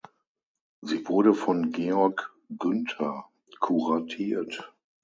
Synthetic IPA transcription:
ziːvʊɐɾəfɔnɡeːɔɐk | ɡ̥ʏntʰɐ | kʰuʁatʰiːɐt

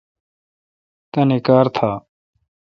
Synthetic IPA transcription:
t̪ɐnekaːɾt̪ʰaː

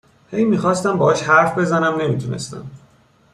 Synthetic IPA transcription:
he̞jmixɒːst̪æmbɒːɒːʃhæɾfbe̞zænæmne̞miːt̪ʰune̞̰st̪æ̰m

